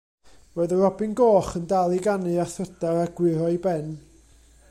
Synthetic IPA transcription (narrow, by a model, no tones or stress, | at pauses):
woːðərɔbɪnɡoːχəndalˠiɡanɨaθrədaɾaɡ̥wɪɾɔibɛn